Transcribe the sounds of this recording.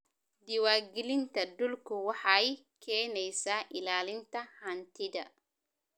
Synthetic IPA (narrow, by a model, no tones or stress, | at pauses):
d̪ɪwaːɡɪlɪnt̪ʰɐd̪ʊlkʰʊwɑħɑj | kʰɛːnɛjsaːʔɪlaːlɪnt̪ʰɐhant̪ʰɪðɐ̰